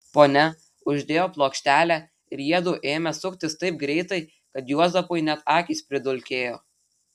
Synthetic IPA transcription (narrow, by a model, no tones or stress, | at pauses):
poːnʲɛ | ʊʒʲd̪ʲeːjoːplˠoːkʃʲt̪ʲæːlʲæ | ɪɾiɛd̪uːʔeːmʲɛsʊkʲt̪ʲɪst̪ɐɪp̚ɡɾʲɛɪt̪ɐɪ | kɐt̪juɔzɐpoɪnʲɛt̪ɑːkʲiːˑspʲɾʲɪd̪ʊlʲkʲeːjoː